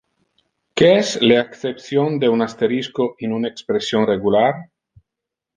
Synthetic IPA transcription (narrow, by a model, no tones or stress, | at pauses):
keesleekθepθjond̪eunast̪eɾiskoinunaekspɾesjonreɣulaɾ